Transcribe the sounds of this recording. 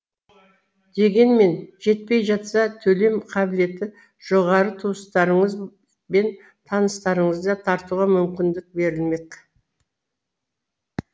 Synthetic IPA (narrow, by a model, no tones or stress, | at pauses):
d̪e̞ɡʲe̞nme̞nʒe̞t̪̚pe̞jʒɑt̪sɑt̪ʰɵle̞mqʰɑbɪle̞t̪ɪ | ʒ̥oʁɑɾət̪ʰust̪ɑɾəɴəz | be̞n | t̪ʰɑnəst̪ɑɾəɴəzd̪ɑt̪ʰɑɾt̪uʁɑmʏmkʲɪnd̪ɪk̚be̞ɾɪlme̞k